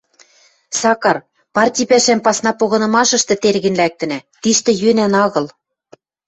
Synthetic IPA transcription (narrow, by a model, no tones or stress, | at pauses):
sɑkɑr | pɑrtʲijpæʃæmpɑsnɑpoɣɤ̆nɤ̆mɑʃɤ̆ʃt̪ɤ̆t̪erɣɘ̆nlæk̚t̪ɘ̆næt̪iʃt̪ɘ̆jønænɑɣɤ̆l